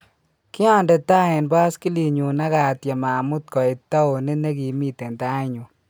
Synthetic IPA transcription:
kɪ˦a˦ndɛ˨ta˦e˨nba˦ski˦li˨ɲu˨na˦ka˨t̪ja˨maː˨mʊ˦t̪̚kɔ˨ɪ˨t̪ːa˦o˨ne˦ne˦ɡi˨mi˦te˨nta˦ɪ˦ɲu˨

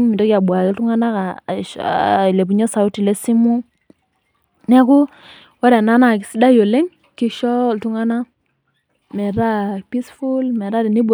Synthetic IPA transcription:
ŋmi˨to˦ki˦a˨ɓwa˨kɪ˦ltu˦ŋa˦na˦ka̰˨ | le˨p̬u˨ɲɔ˦sa˨˦ʊ˦ti˨le˦si˦mu˦ | nɛ˦kʊ˦ | wɔ˦ɾɛ˨na˦na˨k̬ɪ˨˦si˦da˦jo˨le˦ŋ | ki˦ʃɔ˦ltu˦ŋa˦na˦ | mɛ˨ɾa˦pi˦sfu˦lmɛ˨ɾa˦di˨ni˦b

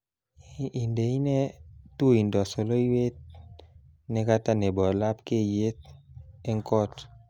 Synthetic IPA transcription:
i˨nde˨i˦ne˦tu˦i˨ndɔ˨so˨lo˦i˦we˦t̚ | nɛ˦ka˦ta˦nɛ˨bɔ˨la˦pke˦je˦t̚e˦ŋkɔ˦t

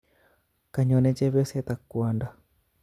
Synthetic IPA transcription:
ka˨ɲɔ˨nɛ˦t͡ʃɛ˦βjɔ˦sɛt̪a˨kːwa˨nda˦

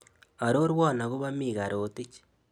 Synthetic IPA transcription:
a˨ɾo˦ɾwa˦˨na˨ɣu˦βa˦mi˨ɣa˨ɾo˨ti˦t͡ʃi̥

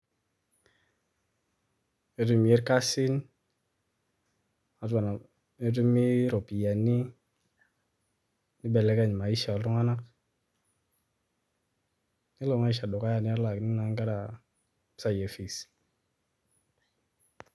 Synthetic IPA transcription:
e˨tu˦mi˨e˦ɾka˦si˦n | a˨ta˨na˨ | e˦t̬u˦mi˦ɾɔ˨pi˨ja˨ni˦ | nɪ˦bɛ˨lɛ˦ka˦˨ɲ˨ma˨i˦ʃa˨ɔ˨ltɔ˦ŋa˦na˦k̚ | ni˦lɔ˨ŋa˦i˦ʃ̬a˨dɔ˨ka˦ja˦˨nɪ˦a˦ɾla˨knɪ˦na˨˦ŋɡa˦ɾa˨ | sa˨je˨fi˨s

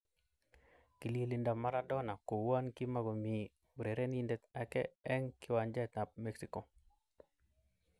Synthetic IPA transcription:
ki˨li˦li˨nda˨ma˦ɾa˦dɔ˦na˨ko˨wa˦nkɪ˦ma˦ɡo˨mi˨ | wɾe˨ɾe˦ni˦ndɛ˦t̪a˦kɛ̰˦ɛ˦ŋkɪ˦wa˨nd͡ʒɛ˦t̪a˨p̚me˦ksiko˨

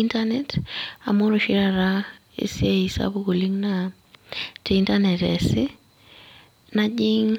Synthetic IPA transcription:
intanɛta̰˨mo˦ɾo˨ʃi˦ɾaɾa | ḛ˨si˦e˦i˨sa̰bo˦ko˨li˦ŋna | te˨intanɛtɛ̰sɪ˦ | nad͡ʒiŋ

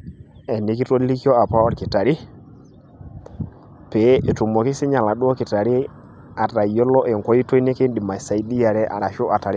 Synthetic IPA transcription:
ɛ˨ni˨˦ki˦to˦li˦kɔ˦a˨pa˦ɔ˦ɾkɪ˨ta˨ɾi˦ | pɛ˨˦e˨tu˨mɔ˨kɪ˦sɪ˦ɲa˨la˨du˦ɔ˦kɪ˨ta˨ɾi˦ | a˨ta˨jɔ˦lɔ˦ʔɛ˨ŋkɔ˦ji˦to˦nɪ˦ke˦ndi˨ma˨sa˨i˦di˦ja˨ɾɛ˦ʔa̰˨ɾa˨ʃo˦ʔa˨ta˨ɾɪ˦

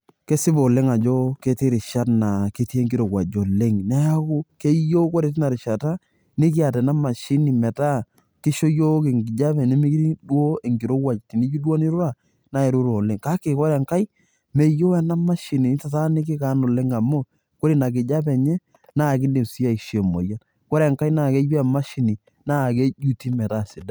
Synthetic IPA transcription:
ke˦sɪ˦bo˨le˦ŋa˨d͡ʒo˦ke˦te˦ɾɪ˨ʃa˦tna˨ke˦ti˦e˦ŋɡi˦ɾo˨kwa˨d͡ʒo˨le˦ŋnɛ˦ja˦ku˦ke˦jo˦ko˦ɾe˨ti˦na˨ɾɪ˨ʃa˨ta˦ | ni˦k̬i˦a˨tɛ˨na˦ma˨ʃi˦ni˨mɛ˨ta˦ | kɪ˦ʃo˦jo˦ke˨ŋɡɪ˨d͡ʒa˦pɛ˨ne˦mi˦kɾi˦dwo˦e˨ŋɡi˨ɾo˦wa˨t͡ʃti˨ni˦d͡ʒi˦dwo˦ni˦ɾu˦ɾa˦˨ | na˨e˨ɾu˦ɾo˨le˦ŋka˦ke˨kɔ˦ɾɛ˨ŋka˦i˦ | me˨jo˦ɛ˦˨na˦ma˦ʃi˨ni˨nɪ˦ta˨ta˦nɪ˦k̬ɪ˦ka˨˦nʊ˨le˦ŋa˨mo˦ | ko˦ɾi˨na˨kɪ˨d͡ʒa˦pɛ˨ɲɛ˦ | na˦˨kɪ˦nde˨si˦a˨i˨ʃe˨mo̰˨ja˦n | ko˦ɾɛ˨ŋka˦i˦na˦˨ke˦bi˦a˨ma˦ʃi˨ni˨ | na˦˨ke˦d͡ʒu˦ti˦mɛ˨ta˦˨sɪ˨da˨˦

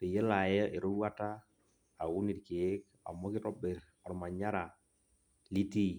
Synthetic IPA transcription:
te˨je˦la˨jɛ˦ʔe˨ɾo˦wa˦ta˦ | a˨ʊ˦ni˨tkɪ˨e˦k̚ | a̰˨mɔ˦kɪ˦ɾɔ˦be˨ɾ | ɔ˨ɾma˨ɲa˦ɾa˨ | li˦ti˦

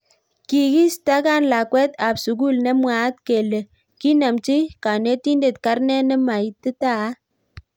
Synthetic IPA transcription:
ki˨ɡi˦sta˦ka˦˨nla˨kwɛ˦t̪a˨bsu˨ɡu˦˨lne˦mwa˨˦t̪ke˨le˨ | ki˦na˨mt͡ʃi˦ka˨ne˦ti˦nde˨t̪ka˦ɾnɛ˦nɛ˦ma˨i˨˦tɪ˦ta˦˨˦

